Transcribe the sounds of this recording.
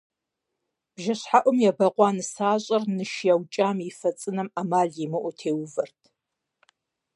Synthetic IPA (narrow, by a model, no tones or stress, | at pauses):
b̥ʒɐɕħaʔʷɔmjɛbɐqʷʼɑːnɨsaːɕʼɐrnɨʃjawt͡ʃʼaːmifɐt͡sʼɨnɐmamaːɮjimɨʔʷɔtʰeːwvɐrtʰ